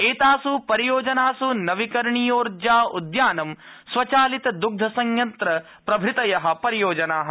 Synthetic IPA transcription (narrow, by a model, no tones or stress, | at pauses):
eːt̪aːsupɐɾijoːd͡ʒɐnaːsunɐʋikɐɾɳijoːɾd͡ʒaːud̪jaːnɐm | sʋɐt͡ʃaːlit̪ɐd̪uɡ̚d̪ʱɐsɐŋjɐnt̪ɾɐ | pɾɐbʱɾɪt̪ɐjɐɦɐ̆pɐɾijoːd͡ʒɐnaːɦɐ